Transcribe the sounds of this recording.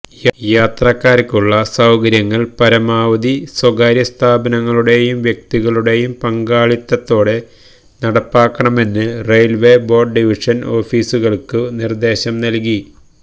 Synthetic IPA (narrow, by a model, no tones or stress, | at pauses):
jjaːt̪rɐkːaːɾɐkʲːuɭːɐsɐwkɐɾjɐŋːɐɭpɐɾɐmaːʋɐd̪iswɐɡaːɾjɐst̪ʰaːbɐnɐŋːɐɭuɽe̞jumʋjɐk̚t̪iɣɐɭuɽe̞jumpɐŋɡaːɭit̪ːɐt̪ːo̞ːɽe̞ | nɐɽɐpːaːkːɐɳɐme̞nːɨrejlʋe̞ːbo̞ːrɖɖiʋiʂɐno̞ːfiːsuɣɐɭkɨnird̪e̞ːɕɐmnɐlk̬i